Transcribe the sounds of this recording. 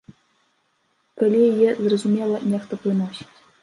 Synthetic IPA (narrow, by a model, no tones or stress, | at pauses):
kɐlʲijɛzrɐzumʲɛlˠɐnʲɛxt̪ɐplˠɨnɔsʲi̥t͡sʲ